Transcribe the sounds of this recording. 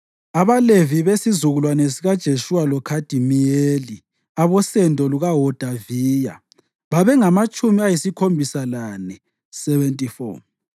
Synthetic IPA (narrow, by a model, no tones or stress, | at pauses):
aβaleviβesizuɣulwanesiɣad̥ʒ̥ʱeʃuwalɔkʰad̥ʱimijeli | aβɔsɛndʱɔluɣaɦɔd̥ʱaviːja̰ | βaβɛŋamat͡ʃʼumiajisikʰombʱisalanɛ | sɛβɛntʼifɔ̰